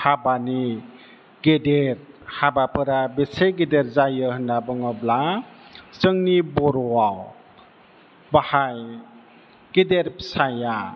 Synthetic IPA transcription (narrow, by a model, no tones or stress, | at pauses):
habani | ɡedeɾ | habapʰɯɾabesejɡedeɾzajɯhɯndabɯŋɯbla | səŋnibɔɾɔwaw | bahaj | ɡ̥edeɾpsaja